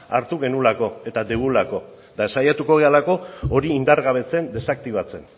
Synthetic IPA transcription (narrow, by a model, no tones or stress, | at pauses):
aɾt̪uɣe̞nulako̞e̞t̪ad̪eβulako̞ | d̪aesajat̪uko̞ɣ̞e̞alako̞oɾiːnd̪aɾɣaβ̞e̞t͡se̞nd̪e̞sak̚t̪iβ̞at͡se̞n